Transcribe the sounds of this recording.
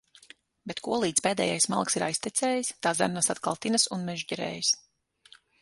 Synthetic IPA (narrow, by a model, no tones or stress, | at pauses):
bɛt̪kuɔlˠiːt̪speːd̪ɛ̰ːjajsma̰lˠksiɾa̰jst̪ɛt̪seːjist̪aːzæ̰ɾnasat̪kalˠt̪inasunmɛʒɟɛɾɛ̰ːjis